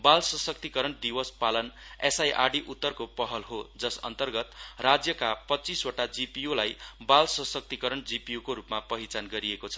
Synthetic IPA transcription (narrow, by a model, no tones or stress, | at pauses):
balsʌsʌk̚t̪ikʌɾʌnd̪iwʌspalʌnesajʔa̰rɖiʔut̪ːʌrkopʌɦʌlɦod͡zʌsʌ̰nt̪ʌrɡʌt̪rad͡zjʌkapʌtːt͡siswʌʈad͡zipijolajbalsʌsʌk̚t̪ikʌɾʌnd͡zipijokoɾupmapʌɦit͡sanɡʌɾiekot͡sʰʌ̥